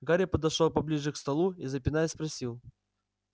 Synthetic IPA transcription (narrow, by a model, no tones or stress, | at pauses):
ɡaɾʲəpəd̪ɐʂolˠpɐblʲiʐɨkst̪ɐlˠuizəpʲɪnajəspɾɐsʲilˠ